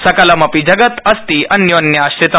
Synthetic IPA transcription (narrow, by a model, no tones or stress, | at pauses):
sɐkalamɐpid͡ʑəɡət̪ɐst̪iɐnjonjaːɕtet̪